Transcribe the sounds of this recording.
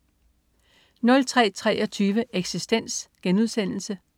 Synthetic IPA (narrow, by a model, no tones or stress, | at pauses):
nɒ̽lt͡sʰʁɛ̰ːt͡sʰʁɛ̰ːɒ̽t͡sʰyːʋəʔeɡ̥sisd̥en̰sɡ̥enuð̞ˠsen̰l̩sə